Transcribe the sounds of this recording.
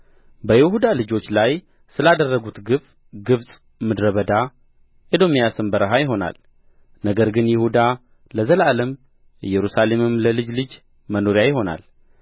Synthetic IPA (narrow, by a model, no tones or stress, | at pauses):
bəjɪhud̪alɨd͡ʒo̞t͡ʃːlaj | sɨlad̪ərːəɡut̪ɡɨf | ɡɨβsʼ | mɨd̪ɾəβəd̪a | ʔed̪o̞mijasɨmbəɾəɦajɪɦo̞na̰l | nəɡəɾɡɨnjɪhud̪a | ləzəlaləm | jɛɾusale̞mɨmləlɨd͡ʒlɨd͡ʒ | məno̞ɾjajɪɦo̞na̰l